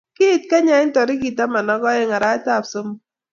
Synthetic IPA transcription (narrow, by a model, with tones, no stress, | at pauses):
kɪ˦˨t̚ka˦ɲa˨˦ɪ˦n˦tɔ˨ɾɪ˦ki˨ta˦ma˨nɔ˦ɡɔ˦ɪ˦ŋa˨ɾa˦ɪ˦ta˦˨pso˦m˦